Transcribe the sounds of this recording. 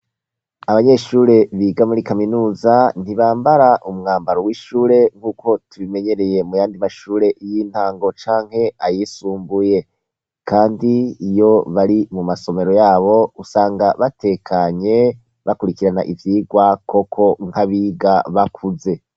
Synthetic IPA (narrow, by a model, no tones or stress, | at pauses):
aβaɲe̞ʃuːɾe̞βiːɡamuɾikaminuːzan̥iβaːmbaɾaʔumŋaːmbaɾowiʃuːɾe̞ŋhuːkʰo̞tuβime̞ɲe̞ɾe̞je̞mujaːndimaʃuːɾe̞jiːn̥haːŋɡo̞t͡ʃaːŋ̥he̞ajiːsuːmbuje̞ | kʰaːndiːjo̞βaɾimumaso̞me̞ɾo̞jaːβo̞usaːŋɡaβate̞kʰaɲe̞ | βakuɾikiɾanaʔivjiːɡwako̞kʰo̞ŋ̥haβiːɡaβakʰuze̞